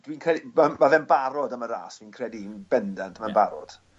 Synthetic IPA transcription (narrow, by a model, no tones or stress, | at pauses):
d̥winkʰrɛdimamaðɛnbaɾɔdəməɾa̰ːsd̥wiːnkʰrɛdinbɛndand̥ʰmanbaɾɔ̰d̥